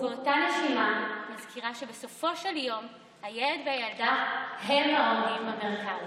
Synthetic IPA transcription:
kotane̞ʃimamazkiʁaʃe̞be̞so̞fo̞ʃeljo̞m | hajele̞dvehajaldahemaoʁimhameʁkav

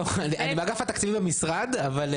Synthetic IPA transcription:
aniʔanibaɡafat̪akt͡sivibemisʁad̪aval

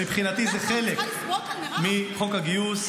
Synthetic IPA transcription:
ipχinat̪izeχelek | miχo̞kaɡijus

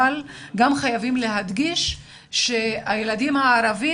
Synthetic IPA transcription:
alɡamχajavimle̞ɦad̪ɡiʃ | ʃe̞ajelad̪imhaːɾavi

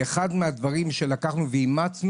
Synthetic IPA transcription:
eχad̪mead̪vaʁimʃe̞lakaχnuveimat͡sn

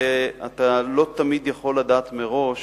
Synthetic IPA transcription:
eat̪alo̞t̪amid̪jaχo̞lːad̪aːt̪meʁo̞ʃ

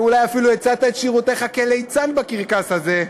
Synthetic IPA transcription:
ulajafiluet͡sat̪aet̪ʃiʁut̪e̞χakelejt͡sanbakiʁkashaze̞

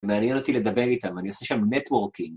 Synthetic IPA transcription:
meanjeno̞t̪ile̞d̪ɐbe̞ʁit̪amanioseʃamnet̪woʁkim

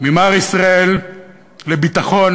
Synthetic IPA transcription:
mimaʁisʁae̞l | lebit̪aχo̞n

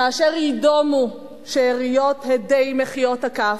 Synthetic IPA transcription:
aːʃeʁjidomu | ʃeːʁijot̪hed̪ejmeχijo̞thaka

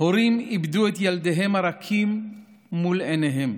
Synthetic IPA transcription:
hoɾimibduet̪jald̪eɦemaɾakʰimː | uleneɦem

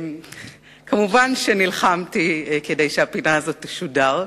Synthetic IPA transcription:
kamuvanʃenilχamtikedejʃeapinaazo̞tːiʃudaʁ

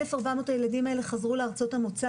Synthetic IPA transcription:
efaʁbamo̞taje̞ladimae̞le̞χazʁuleaʁt͡so̞thamot͡sa

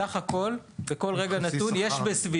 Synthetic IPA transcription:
aχako̞lveko̞lʁe̞ɡanat̪unjeʃbesvi

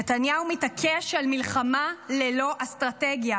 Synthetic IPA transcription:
atanjaumitakʰeʃalmilχamalelo̞ʔastʁateɡja

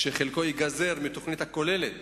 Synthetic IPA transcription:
ʃeχelko̞jiɡaze̞ʁmit̪oχnit̪hako̞le̞let̪

